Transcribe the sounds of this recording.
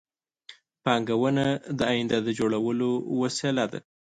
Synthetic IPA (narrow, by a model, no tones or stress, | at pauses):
pɑŋɡawənad̪əajɪnd̪ad̪əd͡ʒoɽawəlowaselad̪a̰